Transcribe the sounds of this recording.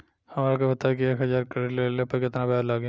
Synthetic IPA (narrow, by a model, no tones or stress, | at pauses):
hɐmaːɾekobɐt̪aːkieːkɦɐzaːɾkɐɽeleːlepɐɾkɪt̪nabɛaːɾlaːɡ